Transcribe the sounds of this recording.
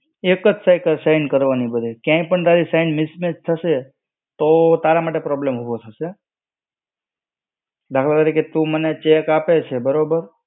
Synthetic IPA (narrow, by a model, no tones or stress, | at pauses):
ekəd͡ʒsajkəlsaɪnkəɾʋanibəd̪ʱekjãĩpəɳt̪aɾisaɪnmɪsmet͡ʃt̪ʰəʃe | t̪ot̪aɾamaʈ̬epɾɔblemɦuʋot̪ʰəʃe | d̪akʰəlt̪əɾiket̪ũmənet͡ʃekapet͡ʃʰebəɾobəɾ